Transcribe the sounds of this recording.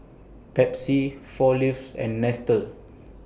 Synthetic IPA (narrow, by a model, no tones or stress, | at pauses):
pɛpsifɔlifsɛ̰̃nːɛstə